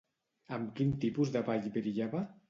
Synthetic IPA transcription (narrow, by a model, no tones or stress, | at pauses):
amkint̪ipuzðaβaʎbeɾiʎaβa